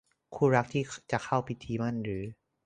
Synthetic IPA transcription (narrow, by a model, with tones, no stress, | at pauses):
kʰuː˧˥˩ɾa˦˥k̚t̪ʰiː˥˩t͡ɕa˨˩kʰa˥˩wpʰi˦˥t̪ʰːiː˧˦ma˧˥˨nɾɯː˩˦